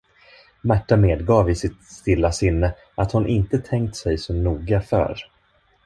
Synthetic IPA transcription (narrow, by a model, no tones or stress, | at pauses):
mæʈːameːd̪ɡɑːvɪsɪt̪st̪ɪlːasɪnːə | ʔat̪hʊnʔɪnt̪ət̪ʰɛŋk̚t̪sɛjsɔmnuːɡafœ̰ːɾ